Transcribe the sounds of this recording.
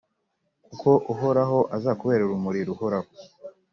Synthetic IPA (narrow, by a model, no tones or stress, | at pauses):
kukʰo̞ʔuɦoɾaɦo̞ʔazakuβe̞ːɾouɾumuɾiɾuhoɾaho